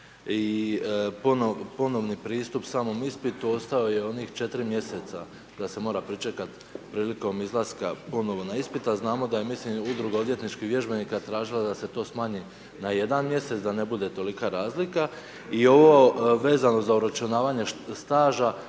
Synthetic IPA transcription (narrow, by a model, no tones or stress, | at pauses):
i | popo̞no̞ʋnipɾiːst̪upsaːmo̞mispit̪uo̞st̪ao̞je̞o̞niːxt͡ʃe̞t̪ɾimje̞se̞t̪sa | d̪ase̞mo̞ːɾapɾit͡ʃe̞kat̪ | pɾiːliko̞mizlˠaskapo̞no̞ʋo̞naispit̪aznaːmo̞d̪aje̞mislimud̪ɾuɡao̞d̪je̞t̪nit͡ʃkihʋje̞ʒbe̞nikat̪ɾaːʒilad̪ase̞t̪o̞ːsmaːɲi | naje̞d̪anmje̞se̞t̪d̪ane̞bud̪e̞t̪o̞likaɾaːzlika | io̞ʋo̞ʋe̞ːzano̞zauɾat͡ʃunaːʋaːɲe̞st̪aːʒa